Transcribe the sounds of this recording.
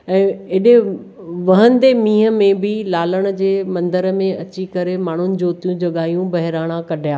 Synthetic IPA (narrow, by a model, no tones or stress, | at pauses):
ɛ̃ːɪɗe | ʋɐɦə̃nd̪emĩːɦə̆mẽbɪlaːləɽ̃ə̆d͡ʑeːmɐ̃nd̪əɾəmẽɐt͡ɕikɐɾemaːɳ̤ʊnɪ̆d͡ʑoːt̪ijũd͡ʑɐɠaːijũbɐɦɪɾaːɽ̃ãkɐɗʱjaː